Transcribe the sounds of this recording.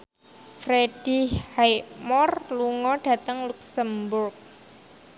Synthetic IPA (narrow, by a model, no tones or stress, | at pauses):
fɾeɖ̥ihhajmɔrluŋɔɖ̥a̤t̪əŋluksəmbʊrk̚